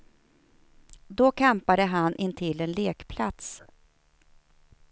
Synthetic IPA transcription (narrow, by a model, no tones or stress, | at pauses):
d̪ɔkʰampad̪əɦanʔɪnt̪ʰɪlːɛnleːkpʰla̰t̪s